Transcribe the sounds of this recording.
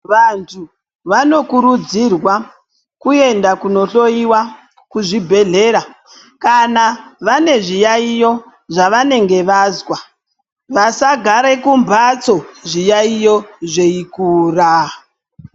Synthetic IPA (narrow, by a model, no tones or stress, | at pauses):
ʋantʰu | ʋano̞kuɾud͡zirwa | kue̞ndakuno̞ɬo̞iwa | kuʐibʱe̞ɮe̞ɾa | kanaʋane̞ʐijaijo̞ | ʐaʋane̞ŋɡe̞ʋaːzwa | ʋasaɡʱaɾe̞kumbʱat͡so̞ʐijaijo̞ʐeikuːra